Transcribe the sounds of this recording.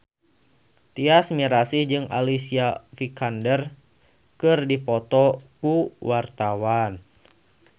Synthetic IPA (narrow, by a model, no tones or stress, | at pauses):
t̪iasmiɾasid͡ʒɨŋa̰lisiafikandər | kɨrdipɔt̪ɔkuwart̪awan